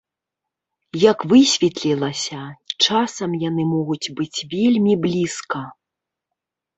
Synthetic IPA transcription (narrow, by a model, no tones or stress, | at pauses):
jɐkvɨsʲvʲɛt̪lʲilˠɐsʲɐt͡ʂasɐmjanɨmɔɣut͡sʲbɨt͡sʲvʲelʲmʲiblʲiskɐ